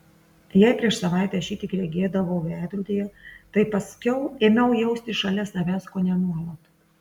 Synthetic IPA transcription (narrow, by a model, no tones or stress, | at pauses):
jɛɪpʲɾʲiɛʃsɐʋɑˑɪt̪ʲɛːʃʲiːt̪ʲɪːkɾʲɛɡʲeːd̪ɐʋoʊæːd̪ʲɾud̪ʲeːjɛt̪ɐɪpɐsʲkʲɛʊeːmʲɛʊjɛʊsʲt̪ʲɪʃɐlʲɛsɐʋʲæːskoːnʲɛnuɔlˠoːt̪